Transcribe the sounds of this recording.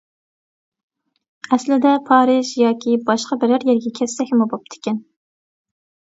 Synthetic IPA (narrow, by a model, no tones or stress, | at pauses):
ɛslɪd̪ɛpʰɑːɾɨʒjɑːkʲʰibɑʃqɑbɪɾɪɾjɛɾɡʲɛkʲʰɛsːɛkʲmubop̚d̪ʰɪ̥kʲɛn